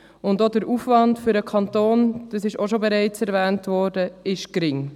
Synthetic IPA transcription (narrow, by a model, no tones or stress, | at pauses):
ʊndodəɾufvɑndfʏɾəkʰɑntoːnd̥ɑsɪʃoʃobeɾɛɪt͡sɛɾvɛːntvʋɔːɾd̥əɪʃkɾɪŋ